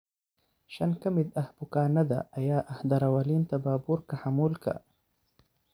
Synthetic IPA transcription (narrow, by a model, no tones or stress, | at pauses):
ʃankamid̪ahbʊkaːnad̪a̰ːjaːʔahd̪aɾawalint̪abaːbuɾkahamulka̰